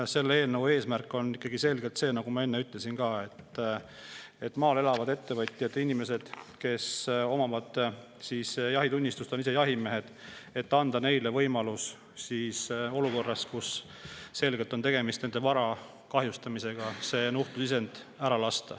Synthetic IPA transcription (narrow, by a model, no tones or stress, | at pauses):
se̞lːee̞ːlnəwe̞ːsmærkːˑo̞nːikˑːɑɡ̥ise̞lɡ̥e̞lt̪se̞ːnɑɡ̥umɑe̞nːeyt̪ːˑle̞sinkɑːe̞t̪ː | e̞t̪ːˑmɑːle̞lɑvɑd̪e̞t̪ːe̞vɤt̪ʲːˑjɑt̪ːinimese̞d̪̥ke̞so̞mɑmɑd̪̥ | sisjɑɦit̪unʲːist̪ust̪onisejɑɦime̞ɦe̞d̪̥e̞t̪ːɑnd̪̥ɑne̞jle̞vɤ̞jmɑlus | siːso̞luko̞rːɑskusː | e̞lɡet̪ːˑo̞nt̪e̞ɡ̥e̞mist̪nend̪̥e̞vɑɾɑ | kɑɦjust̪ɑmise̞ɡ̥ɑse̞ːnuht̪usise̞nd̪̥æɾɑlɑst̪ɑ̰